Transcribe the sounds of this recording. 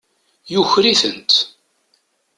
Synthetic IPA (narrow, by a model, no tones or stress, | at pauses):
juçɾiθənt̪